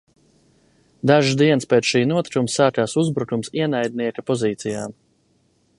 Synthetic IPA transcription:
d̪aʒzd̪iɛnspeːt̪ʃiːnuɔt̪kumsaːkaːsuzbɾukumsiɛnajd̪̚niɛkapɔziːt̪sijaːm

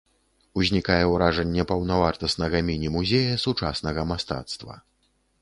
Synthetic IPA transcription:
uzʲnʲikajɛwɾaʐɐnʲːɛpɐwnavart̪ɐsnɐɣɐmʲinʲimuzʲejɐsut͡ʂasnɐɣɐmast̪a̰t̪st̪vɐ̰

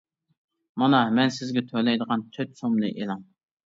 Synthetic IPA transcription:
mɑnɑmɛnsɪzɡʲɛt̪ʰølɛjd̪əʁɑnt͡ʃʰøt̪somlˠɨ̰ʔelˠɑm

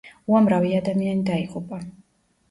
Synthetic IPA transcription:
uamɾaviad̪amianid̪aiʁʼupʼa

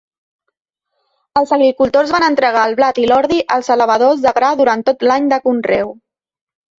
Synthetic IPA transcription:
əlˠzəɣɾikulˠt̪ozβanənt̪ɾəɣaəlˠβlat̪ilɔɾðiʔəlˠzələβ̞əðozðəɣɾaðuɾant̪ot̪laɲd̪əkunrɛw

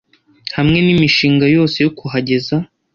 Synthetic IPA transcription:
hamŋe̞nimiʃiːŋɡajo̞ːse̞jokuɦaɟe̞za

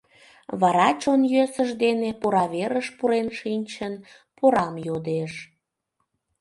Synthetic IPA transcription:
βɑɾɑt͡ɕonjøsəʒd̪enepoɾɑβeɾəʃpuɾenʃinʲt͡ɕən | poɾɑmjod̪eʃ

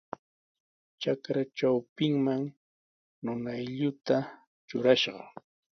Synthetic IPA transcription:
t͡ʃakɾat͡ʃawpɪŋmaŋ | nʊnajʎʊt̪a | t͡ʃʊɾaʃɢɑ̰

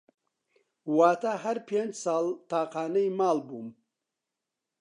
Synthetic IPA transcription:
waːt̪ʰɐhɐɾpʰend͡ʒsaːlt̪ʰaːqaːnɐjimaːlbum

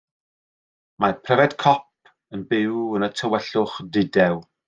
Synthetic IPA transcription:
mapʰrɛvɛd̥kʰɔp̚ | ənbɪwənətʰəwɛɬʊχdɪdɛw

